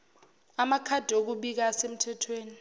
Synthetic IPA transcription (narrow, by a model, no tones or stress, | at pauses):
amakʰad̥ʱok̬uɓik̬asem̩tʰɛtʰweːni